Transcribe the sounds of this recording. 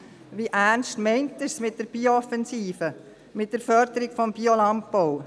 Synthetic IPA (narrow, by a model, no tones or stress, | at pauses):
ʋiʔæɾnstmɛɪntəsmɪt̚d̥əɾb̥ioɔfɛnsiːfə | mɪt̚d̥əɾfœɾdəɾikfɔmbiolɑmpːow